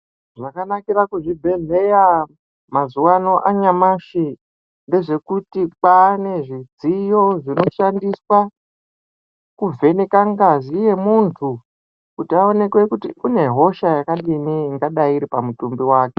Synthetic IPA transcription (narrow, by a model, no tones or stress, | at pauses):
ʐakanakiɾakuʐibʱe̞ɮe̞ja | mazuwano̞ʔaɲamaʃi | nde̞ʐe̞kutik͡pane̞ʐid͡zijo̞ʐino̞ʃandiswa | kub͡ve̞nekaŋɡazije̞muntʰu | kutiao̞ne̞kwe̞kutiune̞ɦo̞ʃajakaɗiniŋɡaɗaiɾipamutumbiwaːke̥